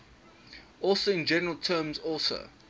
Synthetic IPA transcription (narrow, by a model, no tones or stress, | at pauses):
ɔˑlˠsoɪ̃nd͡ʒɛnəɹəlˠtʰɜːmzɔlˠsə̰